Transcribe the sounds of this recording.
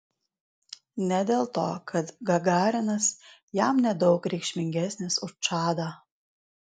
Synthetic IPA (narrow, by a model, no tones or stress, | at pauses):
nʲɛd̪ʲeːlˠt̪oːkʰɐt̪ɡɐɡɑːɾʲɪnɐsjæmnʲɛd̪ɒʊkɾʲɛɪkʃʲmʲɪŋʲɡʲæsʲnʲesʊʃt͡ʃɑːd̪ɐ